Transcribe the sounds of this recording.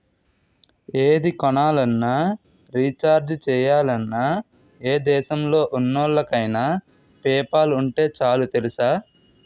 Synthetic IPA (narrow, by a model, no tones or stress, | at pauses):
eːd̪ikɔnaːlɐnːaː | ɾiːt͡ʃaːɾd͡ʒt͡ʃɛːjaːlɐnːaː | eːd̪ɛːʃɐmlo̞ːʔunːɔːɭːɐkɐjna | pɛːpaːluɳʈe̞ːt͡ʃaːlut̪e̞lisaː